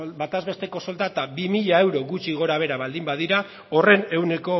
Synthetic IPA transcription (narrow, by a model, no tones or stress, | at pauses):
bat̪azβe̞st̪e̞ko̞so̞lt̪at̪abimiʎae̞wɾo̞ɣut͡ʃiɣ̞o̞ɾaβ̞e̞ɾaβald̪imbað̞iɾa | o̞re̞ne̞wne̞ko̞